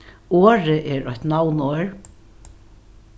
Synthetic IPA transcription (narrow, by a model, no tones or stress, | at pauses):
oːɹɪʔɛɾɔht̪nawnoːɹ